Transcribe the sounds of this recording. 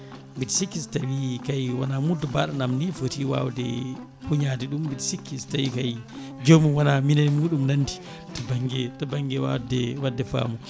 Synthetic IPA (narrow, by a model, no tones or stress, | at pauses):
bitisikːistawikajwanamudɔbaːɗanamnifotiwa̰wdɛ̰ | huɲadiɗumbitisikːistawikaj | d͡ʒomuwanaminanimuːɗumnandi | tɔbaŋɡɛtabaŋɡɛwa̰wdɛwadːɛfa̰ːmu